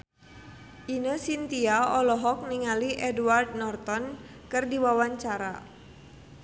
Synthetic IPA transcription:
ʔinəsint̪iaɔlɔɦɔk̚niŋaliʔɛduward̪̚nɔrt̪ɔn | kɨrdiwawaɲt͡ʃaɾa

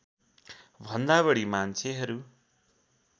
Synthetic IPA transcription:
bʱʌnd̪aβʌɽimant͡sʰeɦʌɾu

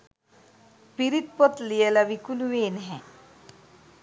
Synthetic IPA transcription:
piɾit̪̚pɔt̪lijelaʋikuluʋeːnɦɛ̃

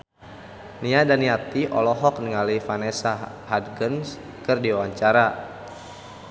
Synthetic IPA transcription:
niadaniat̪iʔɔ̰lɔɦɔk̚niŋalifanɛsaɦad̪ɡəns | kɨrdiawaɲt͡ʃaɾa

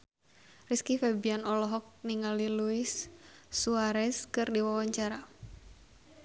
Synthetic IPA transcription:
riskifɛbianɔlɔɦɔk̚niŋaliluɪsː | uaɾɛskɨrdiwawaɲt͡ʃaɾa

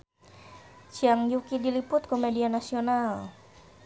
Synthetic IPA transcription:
t͡ʃiaŋjukidilipʊt̪̚komedianasional

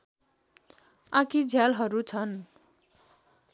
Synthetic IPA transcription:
akid͡zʱjalɦʌɾut͡sʰʌn

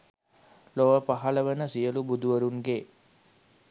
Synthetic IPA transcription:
loʋəpaɦaləʋənəsijəlubud̪uʋəɾuŋɡe

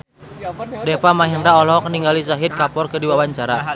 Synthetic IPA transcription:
dɛpamaɦɛndaɔlɔkəniŋɡalisaɦit̪̚kapɔrkədiwawaɲt͡ʃaɾa

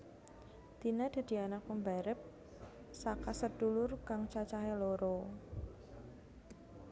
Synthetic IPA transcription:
t̪inad̪̥a̤d̪̥i̤anak̚pəmbaɾəp̚ | sakasərd̥ulʊrkaŋt͡ʃat͡ʃaɦeloɾɔ

